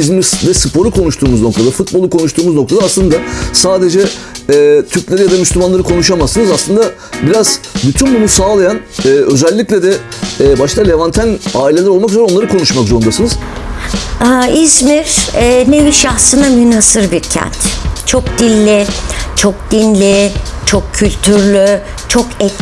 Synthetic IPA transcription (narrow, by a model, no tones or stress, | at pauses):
izmiɾsd̪ɛsɯpʰo̞ɾukʰo̞nuʃt̪ʰuːmuzno̞k̚t̪ʰad̪afut̪̚bolˠukʰo̞nuʃt̪ʰuːmuzno̞kt̪ʰad̪aslˠɯnd̪asaːd̪e̞d͡ʒɛː | t̪ʰyɾclʲeɾijad̪amyslʲymanlˠaɾɯkʰo̞nuʃamasɯnɯzaslˠɯnd̪a | biɾaz̥byt̪ʰynbunusaːlˠajanɛːø̞zɛlʲːiclʲɛd̪ɛbaʃt̪ʰˠalʲevant̪ʰænaːilʲe̞lʲæɾo̞lˠmak̬yzoɾɛo̞nlˠaɾɯkʰo̞nuʃmakzoɾund̪asɯnɯz̥ | aizmiɾɛneviʃaxsɯnamynasɯɾbiɾcʰɛ̰nt̪t͡ʃʰo̞kd̪̥ilʲːit͡ʃʰok̚d̪̥inlʲit͡ʃʰo̞kcʰːylʲt̪ʰyɾlʲy | t͡ʃʰo̞kʰɛt̪